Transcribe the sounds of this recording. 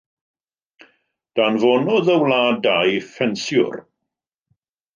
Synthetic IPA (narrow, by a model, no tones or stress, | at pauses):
d̥aːnvɔnɔðəwlaːdajfɛnsjʊ̰r